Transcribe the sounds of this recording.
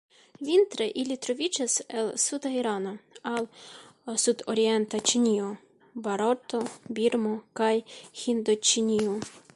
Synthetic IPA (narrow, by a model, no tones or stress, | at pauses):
ʋʲint̪ɾɛʔilʲit̪ɾɔʋʲit͡ʃɛsɛlˠsut̪ɐiɾɑnɐɑlˠsut̪ɔɾʲiɛnt̪ɐt͡ʃinʲiju | bɐɾɔt̪ɔbʲirmɔkɑjxʲind̪ɔt͡ʃinʲiu